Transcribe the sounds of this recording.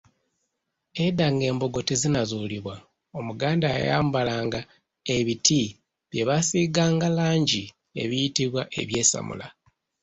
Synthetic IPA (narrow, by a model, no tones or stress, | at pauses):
edaŋɡe̞ːmbo̞ɡo̞tizinazuːliβwa | o̞muɡaːndaa̰ja̰ːmbalaːŋɡa | e̞βitʰi | βje̞βasiɡaːŋɡalaːɲɟi | ḛβijitiβwaʔe̞̰βje̞ːsa̰mṵla